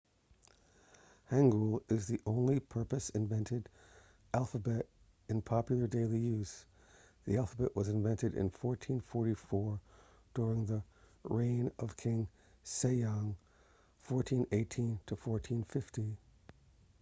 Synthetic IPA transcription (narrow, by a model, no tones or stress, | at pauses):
hæ̃ŋɡulˠɪzðiʔõʊ̃nlipʰɜ˞pɨsɨ̃ɱvɛ̃ntɨɾ | ʔælˠfəbɛɾ | ɨ̃npʰɑpjl̩ˠə˞deɪlˠijʉz̥ | ðiælˠfəbɨʔwʔʌzɨ̃ɱvɛ̃ntɨɾɨ̰̃nfɔɹtʰĩnfɔɹɾifɔɹ | d̥ʊɹɪ̃ŋðə | ɹẽɪ̃nʌv̥kʰɪ̃ŋ | seɪɑ̃ŋ | fɔɹtʰĩneɪtʰĩntʰəfɔɹtʰĩnfɪfti